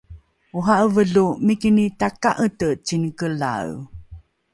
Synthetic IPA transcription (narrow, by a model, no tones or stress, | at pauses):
uɦaʔəvəɮumikinitakaʔətət͡ɕinkəla̰w